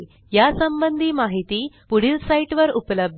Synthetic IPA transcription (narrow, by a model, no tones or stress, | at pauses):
jasəmbənd̪ʱiːmaɦit̪iːpuɽilsaiʈʋəɾupləb̚d̪